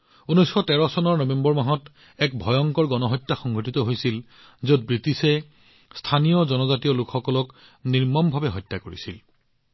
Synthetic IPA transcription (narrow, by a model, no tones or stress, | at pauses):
unɔjsxɔtɛɹɔsɔnɔɹnɔbɛmbɔɹmaɦɔt | ɛkbʱɔjɔŋkɔɹɡɔnɔɦɔjtːaxɔŋɡʱotit̪ɔɦojsil | zot̚bɹitisɛ | stʰanijɔzɔnɔzatijɔlukʰxɔkɔlɔk | niɹmɔmbʱabɛɦɔjtːakoɹḭsil